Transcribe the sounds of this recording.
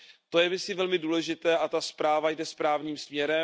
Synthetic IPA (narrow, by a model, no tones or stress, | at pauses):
t̪o̞jɛvɪsɪvɛlmɪduːlɛʒɪt̪ɛːʔat̪aspɾaːvajdɛspɾaːvɲiːmsmɲɛɾɛ